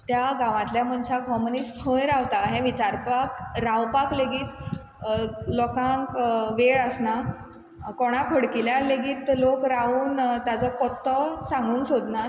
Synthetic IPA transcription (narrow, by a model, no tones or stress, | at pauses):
t̪jaɡãʋãt̪ljam̤əɳt͡ɕakɦɔmonispʰəjɾawt̪aɦɛ̃ʋit͡ɕaɾpakɾawpakleɡiːt̪ | lɔkãŋkʋeɭəsna | kɔɽ̃apʰəɽkiljaɾleɡiːt̪lokɾauːnt̪jat͡sɔpɔt̪ːɔsãŋɡuːŋksod̪na